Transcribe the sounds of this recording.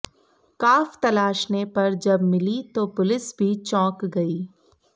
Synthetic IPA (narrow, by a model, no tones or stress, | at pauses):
kaːft̪ɐlaːʃnepɐɾd͡ʒɐbmɪlit̪oːpʊlɪsbʱit͡ʃɔ̃ːkɡɐiː